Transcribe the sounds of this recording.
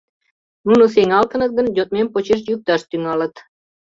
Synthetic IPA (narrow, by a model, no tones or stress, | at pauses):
nunoseŋɑlt̪ɤ̆nɤ̆t̪̚ɡə̆ndʲot̪̚mempot͡ɕiʃjuk̚t̪ɑʃt̪yŋɑlə̆t̪